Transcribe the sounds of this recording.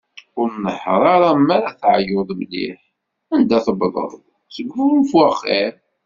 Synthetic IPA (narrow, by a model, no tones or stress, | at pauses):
ʊɾnəħɾˤɑɾˤɑmːæɾæθʕjʊðˤmlḭħ | ænd̪æθəbðˤə̰ðˤ | səɡfufwæχːiɾ